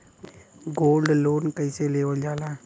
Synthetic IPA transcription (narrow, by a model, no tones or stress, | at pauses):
ɡoːlɖloːnkəɪseleːʋəd͡ʒaːlaː